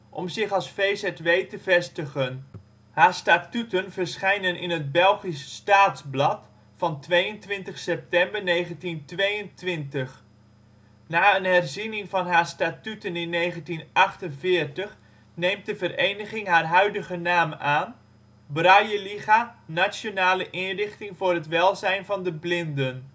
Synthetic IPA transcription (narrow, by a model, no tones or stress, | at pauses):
ʔɔmzɪχɑlˠsfejsɛtʋejtəvɛstəχən | haːɹstaːtytənvəɹsχɛjnənɪ̰nɦəd̚bɛlˠχisːtaːtzblɑt | fɑntʋejəntʋɪntəχsɛp̚tɛmbəɹnejχəntintʋejəntʋɪntəχ | naːənɦɛrzinɪŋvɑnɦaːɹstaːtytənɪnːejχəntinʔɑχtənvɪːrtəχ | nejmt̚dəvərejnəχɪŋɦaːrɦœɥdəχənaːmaːn | brɑjəliχanasjonaːləʔɪnrɪχtɪŋvʊːrɦətʋɛlˠzɛjnvɑndəblɪndən